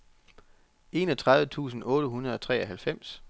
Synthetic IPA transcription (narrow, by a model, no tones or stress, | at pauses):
e̝ːnɒt͡sʰʁɑ̈ðˠʋət͡sʰṵːsn̩ɔ̽ːɾ̥əɦunɐð̞ˠɒ̽t͡sʰʁɛ̰ːɒɦælfem̰s